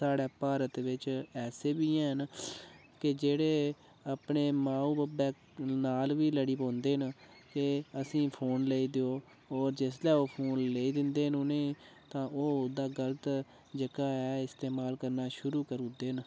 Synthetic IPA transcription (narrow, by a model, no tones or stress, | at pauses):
saːɽɛːpaːɾət̪ʋɪt͡ʃɛːseːbiːɛ̃ːɦən | kɪd͡ʒeːɽeː | apɳeːmãːuːbəbɛː | naːlʋiːləɽiːpõːnd̪eːən | kɪəsĩːpʰoːnleːiːd̪eoː | ɔːɾd͡ʒes̬lɛːoːpʰoːnleːiːd̪ɪnd̪eːɦənʊnẽː | t̪ãːʔoːd̪aːɡələt̪ | d͡ʒəkaːɛːɪst̪eːmaːlkəɾnaːʃʊɾuːkəɾũːd̪eːən